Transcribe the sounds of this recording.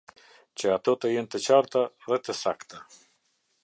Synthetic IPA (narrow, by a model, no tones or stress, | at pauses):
t͡ɕəat̪ɔt̪əjɛnt̪ət͡ɕaɾt̪aðɛt̪əsakt̪a